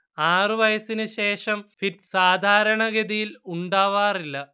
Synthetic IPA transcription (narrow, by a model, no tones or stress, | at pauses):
aːrɨʋɐjɐsinɨɕe̞ːʂɐmfitsaːd̪ʱaːɾɐɳɐɣed̪ijiluɳɖaːʋaːrilːɐ